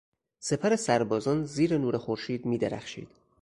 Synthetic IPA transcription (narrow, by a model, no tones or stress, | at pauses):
se̞pʰæɾe̞sæɾbɒːzɒːnziːɾenuːɾexoɾʃiːd̪miːd̪eɾæ̰xʃḭːd̪̥